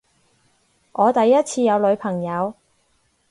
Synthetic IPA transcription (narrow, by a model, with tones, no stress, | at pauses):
ʔɔː˨˧t̪ɐ˨jːɐ˥t̚t͡sʰiː˧jɐ˨˧wlɵ˨˧ɥpʰɐ˨˩ŋjɐ˨˧w